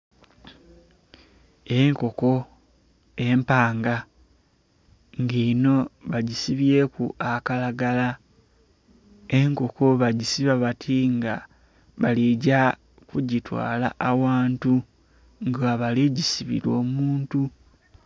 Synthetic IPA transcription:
e̞ŋko̞ko̞ | e̞mpaːŋɡa | ŋɡino̞βaɟisiβje̞ːkuakalaɡala | e̞ŋko̞ko̞βaɟisiβaβatʰiŋɡa̰ | βaliɟa | kuɟitwa̰ːla̰ʔawaːntu | ŋɡaβaliɟisiβḭɾo̞ːmuːntu

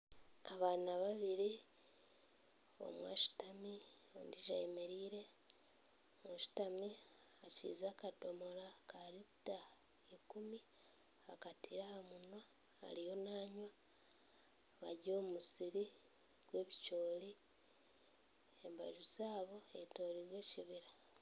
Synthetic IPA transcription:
aβaːnaβaβiɾi | o̰mwa̰ʃu̥tami | o̰ndiʒajemeɾiːɾe̞ | moʃu̥tami | acḭːzaːkato̞mo̞lakaɾita | ikumi | akatiɾahamunwa | a̰lijo̞naːɲwa | βa̰ɟo̞ːmusiɾi | ɡ̥we̞ːβit͡ʃo̞ːli | emba̰ʒuzaːβo̞eto̞ːɾiɾwe̞ːciβiɾa

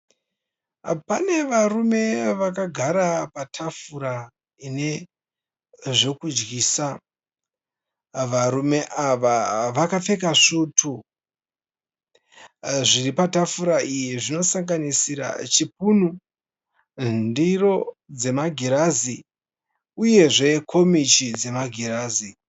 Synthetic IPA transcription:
pane̞ʋarume̞ʋakaɡʱaɾapatʰafuɾa | ine̞ | ʐe̞kud͡ʒɡiːsa | ʋaɾume̞ʔaʋaʋakafe̞kaʂutʰu | ʐiripatafuɾaijiʐino̞saŋɡanisiɾa̰t͡ʃip̚un̤u | ndiro̞d͡ze̞maɡʱiɾazi | uje̞ʐe̞kʰo̞mit͡ʃid͡ze̞maɡʱiɾaːzi

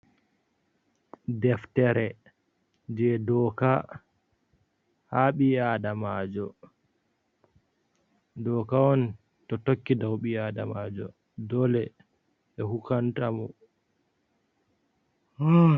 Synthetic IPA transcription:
dɛftɛɾɛ | d͡ʒɛdɔka | haɓiadamad͡ʒɔ | dɔkaɔn | tɔtokːidawɓiada̰mad͡ʒɔ | dɔlɛ | ɓɛhukantamɔ | h

